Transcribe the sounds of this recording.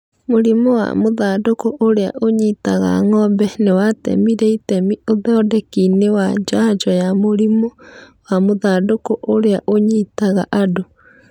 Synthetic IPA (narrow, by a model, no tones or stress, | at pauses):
moɾimɔwa̰moðaːdokoʔoɾea̰ʔoɲitaɣa̰ŋɔbɛnewatɛ̰miɾeitɛmioðɔːdɛkinewad͡ʒad͡ʒɔjamoɾimowamoðadokoʔoɾeaʔoɲitaɣa̰ʔado